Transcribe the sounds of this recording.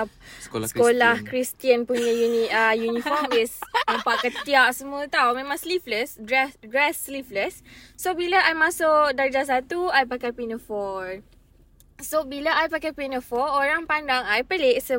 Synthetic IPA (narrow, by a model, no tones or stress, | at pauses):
skolahkɾist̪iənpuɲə̃juniajunifɔmisampaʔkət̪iaʔsəmuət̪awmẽmãŋslifləsdɹɛsdɹɛsːlifləsːobilaʔajmasʊkdad͡ʒas̬at̪uajpakapinəfɔɹ | sobilaʔajpakajpinəfɔoɾaŋpandaŋajpəleʔsə